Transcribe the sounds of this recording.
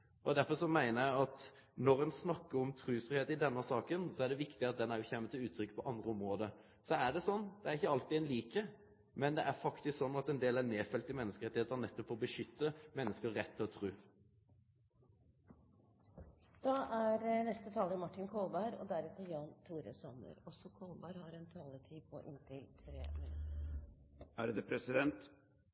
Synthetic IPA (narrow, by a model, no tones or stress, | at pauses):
ɔd̪æɾfɔʂɔmæɪnəɾjæɪɑt̪nɔɾɛnsnɑkːəɾɔmt̪ʰɾʉːsɾʏheːt̪ɪd̪ɛnːəsɑːkənsɔæɖɛʋɪkt̪ɪɑt̪̚d̪ɛnæɾjʊçɛmːət̪ʰɪlʉːt̪ʰɾʏkːpʰɔʔɑnd̪ɾəɔmɾoːd̪ə | sɔæɖɛsɔnːd̪̥ɛæɾɪçːəɑlt̪ɪɛnliːkə | mɛnd̪ɛʔæɾfɑkt̪ɪsksɔnːɑt̪ɛnd̪eːlæneːfɛlt̪ɪmɛnːəskəɾɛt̪ɪheːt̪əhɑɾnɛt̪ːɔpfɔɾɔbəʂʏt̪ːəmɛnːəskəʁɛt̪ʰːɪlɔt̪ʰɾʉː | d̪̥ɑːʔæɾnɛst̪ət̪ʰɑːləɾmɑʈːɪnkʰɔlbɑɾɔ̰d̪æɾɛt̪əjɑːnt̪ʰuːɾə̰sɑnə̰ɾɔsɔkʰɔlbɑɾhɑɾɛnt̪ʰɑːlət̪ʰiːpʰɔʔɪnt̪ɪt̪ʰɾḛːme | æ̰ːɾd̪ɛpʰɾɛsɪd̪ɛnt̪